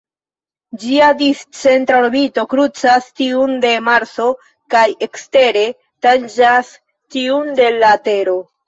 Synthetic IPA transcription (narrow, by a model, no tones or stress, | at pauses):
d͡ʒiadist͡se̞ntɾoɾbito̞kɾut͡sastiunde̞maɾt͡so̞ | kaje̞kste̞ɾe̞ | tand͡ʒas | tiunde̞late̞ɾo̞